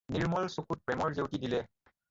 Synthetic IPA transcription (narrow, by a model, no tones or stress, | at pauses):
niɹmɔlsukʰut̚pɹɛmɔɹzewtidilɛ